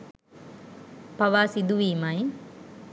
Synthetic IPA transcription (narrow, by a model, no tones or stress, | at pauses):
paʋaːsid̪uʋiːmaj